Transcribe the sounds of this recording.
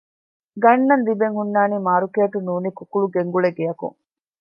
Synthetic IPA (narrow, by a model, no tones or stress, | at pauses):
ɡɐɳːɐnd̪ibeŋhunːaːniːmaːɾukeːʈunuːnikukuɭuɡeŋɡuɭeɡejɐkṵŋ